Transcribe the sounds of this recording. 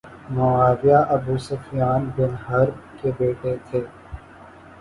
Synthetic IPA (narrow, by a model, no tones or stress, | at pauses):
moaːʋjaːʔɐbuːsɐfʰijaːnbɪnɦɐɾkebeːʈet̪ʰeː